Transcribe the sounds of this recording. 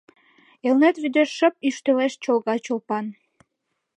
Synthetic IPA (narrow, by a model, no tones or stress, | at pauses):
elnet̪βyd̪eʃːəpyʃt̪øleʃt͡ɕolɣɑt͡ɕolpɑn